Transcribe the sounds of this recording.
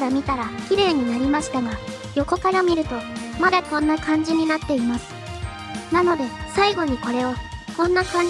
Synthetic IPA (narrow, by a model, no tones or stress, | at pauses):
ɾamʲit̪aɾakʲiɾe̞ːɲ̟inaɾʲimaɕi̥t̪aɡa | jo̞ko̞kaɾamʲiɾɯ̟t̪o̞mad̪akõ̞nːakãɲ̟d͡ʑiɲ̟inat̪ːe̞imasɨ̥ | nano̞d̪e̞saiɡo̞ɲ̟iko̞ɾe̞o̞kõ̞nːakãɲ